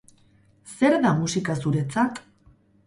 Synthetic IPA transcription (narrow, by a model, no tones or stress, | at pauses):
se̞ɾðamusikasuɾe̞t͡sak